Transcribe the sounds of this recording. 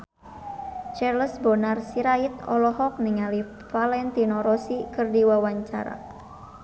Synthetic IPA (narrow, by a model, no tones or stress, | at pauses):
t͡ʃɛrləsbɔnarsiɾait̪ɔ̰lɔhɔk̚niŋali | falɛnt̪inɔɾɔsikɨrdiwawaɲt͡ʃa̰ɾa̰